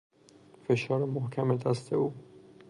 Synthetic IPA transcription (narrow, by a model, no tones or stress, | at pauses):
feʃɒːɾemohkʰæmed̪æst̪ʰeuː